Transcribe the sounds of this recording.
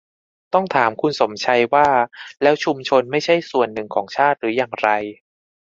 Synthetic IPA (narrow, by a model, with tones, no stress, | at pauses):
t̪ɔ˥˩ŋt̪ʰaː˩˦mkʰu˧nso˩˦mt͡ɕʰa˧jwaː˥˩lɛː˦˥wt͡ɕʰu˧mt͡ɕʰo˧nma˥˩jt͡ɕʰa˥˩jsu˨˩ənːɯ˨˩ŋkʰɔː˩˦ŋt͡ɕʰaː˥˩t̪̚ɾɯː˩˦jaː˨˩ŋɾa˧j